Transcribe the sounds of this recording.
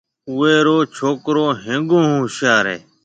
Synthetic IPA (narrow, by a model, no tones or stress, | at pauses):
ʊeːɾoːt͡ʃʰoːkɾoːɦẽːŋɡõːɦõːʃjaːɾḛː